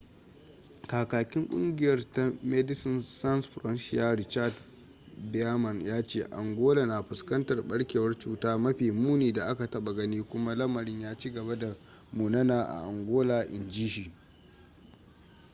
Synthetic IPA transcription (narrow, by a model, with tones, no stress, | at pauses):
kaː˨kaː˨kʲɪ˦ŋkʷʼʊ̰˦ŋɡʲɪ˨jɐ˦rta˦mɛ˦dɪ˦sɪ˦nsa˦nsɸɾɔ˦nʃɪ˦aː˦ɾɪ˦t͡ʃa˦d | bɛ˦a˦mɐ˨njaː˦t͡ʃeː˦˨ʔa̰˨ŋɡʷoː˦la˨na˨ɸʊ˨skɐ˦ntɐ˨rɓɐ˦ɽkʲeː˨wɐ˦rt͡ʃuː˦taː˦mɐ˦ɸiː˨muː˦niː˨da˨ʔa˦ka˨tɐ˦ɓa˨ɡɐ˦niː˦kʷʊ˦ma˦lɐ˦mɐ˨ɾɪ˦ɲjaː˦t͡ʃi˦ɡɐ˨βa˦da˨ | muː˨nɐ˦naː˨ʔa̰˨ʔa˨ŋɡʷoː˦laː˨ʔɪ˨nd͡ʒiː˦ʃiː˨